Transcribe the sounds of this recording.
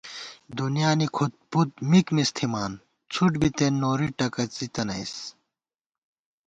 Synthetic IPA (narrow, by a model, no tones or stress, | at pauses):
d̪unjaːnikʰut̪̚put̪̚mikmist̪ʰimaːn | t͡sʰuʈbit̪enːoːɾiʈɐkɐt͡sit̪ɐnɐ̰js